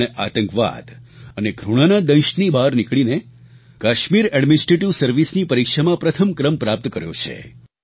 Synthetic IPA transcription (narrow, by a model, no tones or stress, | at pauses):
eʔat̪ə̃ŋkʋa̰d̪əneɡʱɾuɽ̃anad̪ə̃jʃnibaɾnikɭine | kaʃmiɾɛɖminɪsʈɾeʈiʋsəɾʋisnipəɾikʃamãpɾət̪ʰəmkɾəmpɾap̚t̪kəɾjõ̰t͡ʃʰḛ